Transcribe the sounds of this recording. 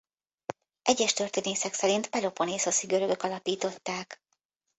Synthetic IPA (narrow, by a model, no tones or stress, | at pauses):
ʔɛɟːɛʃt̪ø̞rt̪eːneːsɛksɛɾint̪pɛlo̞po̞neːsɒsiɡø̞ɾø̞ɡø̞kɒlɒpiːt̪o̞t̪ːaːk